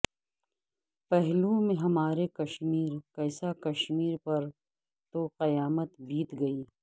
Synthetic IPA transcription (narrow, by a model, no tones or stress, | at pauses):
pɛɦlumẽɦɐmaːɾekɐʃmiːɾkɐɪsakɐʃmiːɾpɐɾ | t̪oqɐjaːmət̪bʱiːt̪ɡɐiː